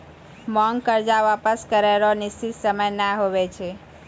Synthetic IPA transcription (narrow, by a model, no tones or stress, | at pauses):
mɔŋɡkəɾd͡ʒaʋapəskəɾelonɪst͡ʃit̪səməjnaɦoʋet͡ʃʰe